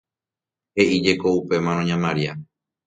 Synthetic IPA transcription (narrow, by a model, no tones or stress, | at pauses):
he̞ʔid͡ʒe̞ko̞upe̞mãɾ̃õɲãmãɾia